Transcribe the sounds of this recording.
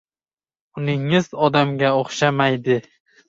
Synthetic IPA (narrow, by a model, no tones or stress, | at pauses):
ʊnɪŋɪzɒd̪amɡʲaoχʃamajd̪ɪ